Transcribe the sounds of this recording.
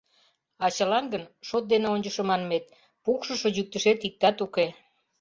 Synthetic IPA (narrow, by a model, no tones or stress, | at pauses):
ɑt͡ɕəlɑnɡənʃot̪̚d̪eneonʲt͡ɕəʃə̆mɑnmet̪̚ | pukʃə̆ʃə̆ʑyk̚t̪əʃet̪ik̚t̪ɑt̪uke